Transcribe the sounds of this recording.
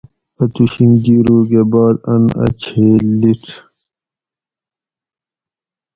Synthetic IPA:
ɐt̪uɕinɡiːɾuːɡebaːd̪ɐ̰nɐ̰t͡ɕʰeːliʈ͡ʂʰ

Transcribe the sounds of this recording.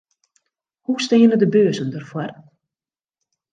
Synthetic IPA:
hustɪːənədəbøːzəndərfwɔr

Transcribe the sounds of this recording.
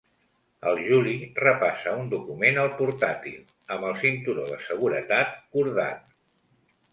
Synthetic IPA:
ə̰lˠʒulirəpasəund̪ukumenəlˠpuɾt̪at̪ḭlˠ | əmbəlˠsint̪uɾoðəsəɣ̞uɾət̪at̪̚kuɾða̰t̪̚

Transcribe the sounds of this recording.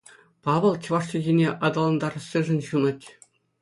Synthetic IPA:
pɑʋɤ̆lˠt͡ɕʲĭʋɑʂtʲiɡʲenʲeʔɑd̪ɑlˠɑnd̪ɑɾɤ̆sʲɤʐɘ̆nʲɕunɤ̆tʲ

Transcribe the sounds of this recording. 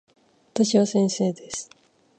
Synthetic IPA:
βat̪aɕiβasẽ̞ɰ̃se̞ːd̪e̞sɨ̥

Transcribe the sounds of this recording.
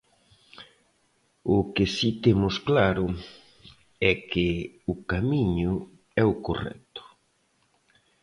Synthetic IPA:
ʊkɪsit̪emʊsklaɾʊ | ɛkɪʊkamiɲʊ | ɛʊko̰rɛ̰kt̪ʊ̥

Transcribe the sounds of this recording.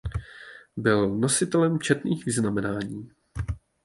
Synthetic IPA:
bɪlno̞sɪt̪ɛlɛmt͡ʃɛt̪niːxvɪznamɛnaːɲiː

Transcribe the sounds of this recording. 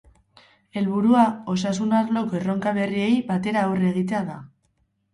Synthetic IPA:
e̞lβuɾuao̞sasunaɾlo̞koe̞ro̞ŋkaβe̞rie̞jbat̪e̞ɾaore̞ɣ̞it̪e̞aða

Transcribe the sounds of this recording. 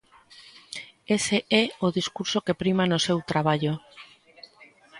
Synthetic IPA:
eseɛoðiskuɾsokepɾimanosewt̪ɾaβ̞aʎo

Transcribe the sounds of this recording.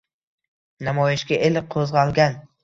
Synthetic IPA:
namɒjɪʃkʲaʔelɪqʰozʁɑlˠɡʲan

